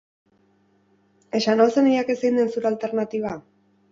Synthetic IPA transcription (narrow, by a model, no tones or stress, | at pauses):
e̞ʃanosenijakesind̪ensuɾalt̪e̞ɾnat̪iβ̞a